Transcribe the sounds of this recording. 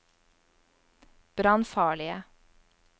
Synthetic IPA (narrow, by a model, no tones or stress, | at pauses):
b̥ɾɑnfɑːɭɪə